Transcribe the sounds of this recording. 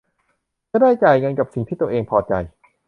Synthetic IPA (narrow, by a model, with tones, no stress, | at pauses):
t͡ɕa˧˩daː˥˩jt͡ɕaː˨˩jŋɤ˧nka˨˩p̚si˨˩ŋt̪iː˥˩t̪u˧əʔeː˧ŋpʰɔː˧t͡ɕa̰˧j